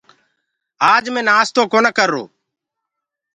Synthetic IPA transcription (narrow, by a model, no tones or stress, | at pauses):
aːd͡ʒmẽːnaːst̪oːkoːnəkəɾːo̰ː